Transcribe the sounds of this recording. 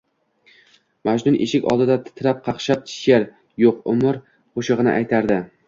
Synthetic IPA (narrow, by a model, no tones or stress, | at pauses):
mad͡ʒnʊnʔḛʃɪkʲɒ̰lˠd̪ɪd̪at̪ʰɪ̥t̪ʰɪlap̚qʰɑqʃap̚t̪ʰɪ̥ʃjaɾ | joqʊ̰mʊɾ | qʰoʃɨʁɨnɪ̰ʔajt̪ʰaɾd̪ɪ